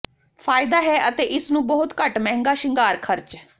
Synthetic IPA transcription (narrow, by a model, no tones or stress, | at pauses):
pʰaːɪd̪aːɦɛːʔət̪eːʔɪsnũːbɔɦʊt̪kəʈmɛ̃ːŋɡaːʃɪŋɡaːɾkʰəɾt͡ʃ